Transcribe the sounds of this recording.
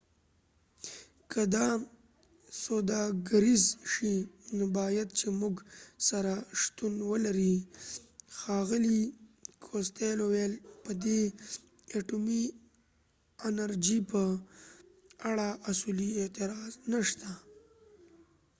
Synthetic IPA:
kʰəd̪ɑ | sod̪ɑɡaɾizʃinobɑjad̪̚t͡ʃemuɡsaɾaʂt̪unwəlaɾi | xɑɣɪlikʰost̪elowelpəd̪e | aʈumi | anaɾd͡ʒipə | aɽaʔasuliet̪ɪɾɑznaʃt̪a

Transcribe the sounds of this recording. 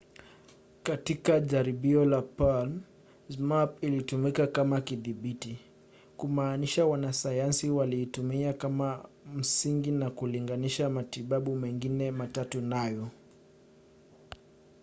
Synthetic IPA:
katikaʄaɾiɓiɔlapalm | zmapilitumikakamakiðiɓiti | kumaːniʃawanasajansiwaliːtumiakama | m̩siŋɡinakuliŋɡaniʃamatiɓaɓumɛŋɡinɛmatatunajɔ

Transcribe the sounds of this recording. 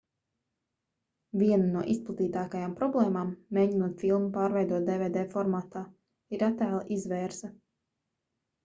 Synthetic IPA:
vʲiɛnunuɔʔisplˠat̪iːt̪aːkajaːmpɾɔblˠɛːmaːmːeːɟinuɔt̪filˠnupaːɾvɛjd̪uɔt̪̚d̪evɛːd̪ɛːfɔɾmaːt̪aː | iɾat̪æːlˠʔizʋɛːɾzsɐ

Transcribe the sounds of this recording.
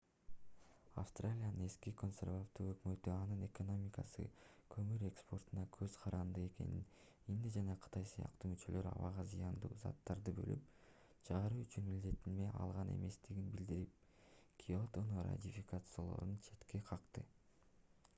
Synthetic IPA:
a̰fst̪ralʲijanɯne̞skiko̞nsʲe̞rvaft̪uːøkmø̞t̪yɑnɯne̞ko̞no̞mʲikasɯ̰kʰø̞myɾe̞kspo̞rt̪unɑkʰø̞z̥qʰɑɾɑnd̪ɯe̞ke̞̰nin | ind̪ed͡ʒɑnɑqʰɯ̥t̪ɑjsɯjɑ̰qt̪umyt͡ʃø̞lø̞ɾɑ̰βɑ̰ʁɑzijɑnd̪uːzɑ̰t̪ːɑɾd̪ɯbø̞̰lyp | t͡ʃʰɑʁɑɾuyt͡ʃynmild̪e̞t̪ilme̞ʔɑ̰lˠʁɑnʔe̞̰me̞st̪iɡinbild̪iɾip̚ | kʲʰiot̪onora̰t̪ʲifʲikat̪sɨjolˠo̞̰ɾunt͡ʃʰe̞t̪ke̞qʰɑqt̪ɯ

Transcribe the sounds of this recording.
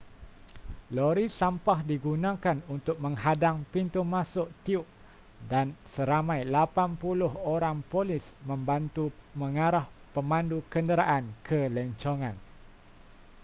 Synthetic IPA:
loɾisampahdiɡunãkanunt̪ʊk̚mə̃ŋɦadaŋpint̪umãsʊʔt̪iʊʔ̚ | dansəɾamãjlapanpulʊɦoɾaŋpolɪsmə̃mbant̪umə̃ŋaɾahpəmãndukəndəɾaʔankʰəlɛɲt͡ʃoŋãn

